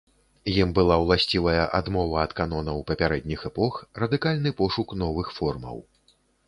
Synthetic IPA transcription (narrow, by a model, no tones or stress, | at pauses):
jimbɨlˠawlˠasʲt͡sʲivɐjɐʔa̰d̪mɔvɐːt̪kanɔnɐwpɐpʲaɾɛd̪ʲnʲixɛpɔxrɐd̪ɨkalʲnɨpɔʂukn̪ɔvɨxfɔrmɐ̰w